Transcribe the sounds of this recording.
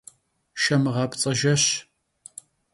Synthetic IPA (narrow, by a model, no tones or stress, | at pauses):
ʃɐmɨʁɑːpt͡sʼɐʒɐɕ